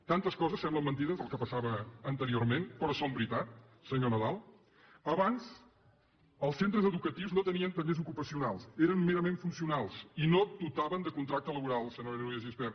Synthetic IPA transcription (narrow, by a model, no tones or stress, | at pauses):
t̪ant̪əskɔzəsːɛmbləmːənt̪iðəzðəlˠkəpəsaβəːnt̪əɾioɾmenpɾɔsombɾit̪at̪̚səɲonəðalˠ | əβanz | əlˠsent̪ɾəzəðukət̪iwznot̪əniənt̪əmʎezukupəsiunalˠseɾənmeɾəmeɱfunsiunalˠzinod̪ut̪aβənd̪əkunt̪ɾak̚t̪ələβuɾalˠsənoeɾnoliəʒispɛɾ